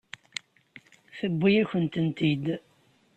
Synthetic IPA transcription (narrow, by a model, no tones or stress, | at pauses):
θəbːijæçənt̪ənt̪id̪